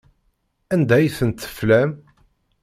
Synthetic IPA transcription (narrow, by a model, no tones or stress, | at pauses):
ænd̪æjθənt̪ːə̥flæm